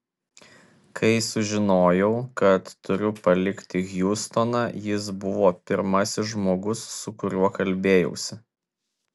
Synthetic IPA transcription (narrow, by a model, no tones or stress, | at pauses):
kʰɐɪsʊʒʲɪnoːjɛʊkɐt̪ːʊɾʲʊpɐlʲɪkt̪ʲɪɣʲjʊst̪onɑjɪs̬bʊʋoːpʲɪɾmɐsʲɪsʒmoːɡʊsːʊkʊɾʲuɔkɐlʲbʲeːjɛ̰ʊsʲɪ